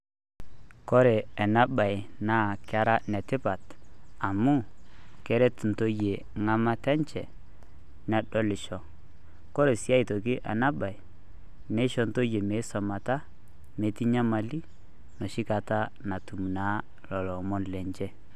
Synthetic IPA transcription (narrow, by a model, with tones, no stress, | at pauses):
kɔ˦ɾɛ˨ɛ˨na˦ba˨jnaː˦˨kɪ˦a˦ɾa˦nɛ˨tɪ˦pa˨ta˨mu˦kɛ˦ɾɛ˦tn̩˨to˦je˨ | ŋa˦ma˦tɛ˦ɲt͡ʃɛ˨ | nɛ˨ɗɔ˦lɪ˨ʃɔ˦ | kɔ˦ɾɛ˨si˦a˦i˨tɔ˨kɪ˦ʔa̰˨na˦ba˨i˨ | nɛ˦ʃɔ˦nto˦je˨me˨˦sɔ˨ma˨ta˦ | me˨˦ti˦ɲa˦ma˨li˦ | nɔ˨ʃɪ˦ka˨ta˦ | na˨tu˨mu˨na˨˦ | lɔ˨lɔ˨mɔ˦nlɛ˨ɲt͡ʃɛ˦